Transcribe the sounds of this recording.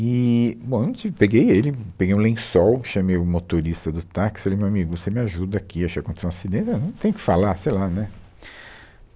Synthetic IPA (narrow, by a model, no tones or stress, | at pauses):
ɪbõenw̪nũt͡ʃivpeɡejelɪpeɡejũlẽsɔwʃɐmejʊmot̪oɾist̪ɐd̪ʊt̪akɪsfalejmewamiɡʊsemɪaʒud̪ɐakʰiaʃkakõt̪eseũasid̪ẽsnɐ̃t̪ẽj̃ʊkɪ̥falasejlanɛ